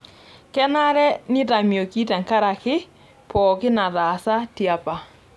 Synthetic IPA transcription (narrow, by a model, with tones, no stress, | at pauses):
kɛ˦na˦ɾɛ˦ni˦ta˨mjo˨ki˦ta˨ŋka˦ɾa˨kɪ˦ | pɔ˨kɪ˦na˨ða˨sa˦ti˨a˨pa˨